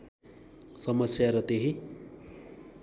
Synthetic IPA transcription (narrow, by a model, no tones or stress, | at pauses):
sʌmʌsjaɾʌt̪eɦi